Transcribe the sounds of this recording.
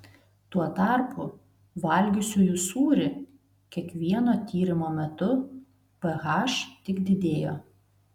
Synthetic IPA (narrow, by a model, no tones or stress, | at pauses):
t̪uɔt̪ɑˑɾpʰʊ | ʋɐlʲɡʲʊsʲuːjusuːɾʲɪ | kʲiɛkʋʲiɛnoːt̪ʲiːɾʲɪmoːmʲɛt̪ʊ | pɐɣɑːʃt̪ʲɪkd̪ʲɪd̪ʲeːjo̰ː